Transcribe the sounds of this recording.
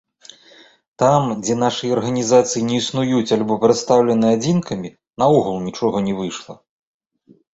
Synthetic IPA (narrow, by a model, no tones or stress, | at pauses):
t̪amd͡zʲɛnaʂɨjɐɐrɣɐnʲizat̪sɨjinʲɛisnujut͡sʲalʲbɔpɾɨt̪st̪awlʲɛnɨad͡zʲinkʰɐmʲi | nɐɔɣulˠnʲit͡ʂɔɣɐnʲɛvɨʂlˠɐ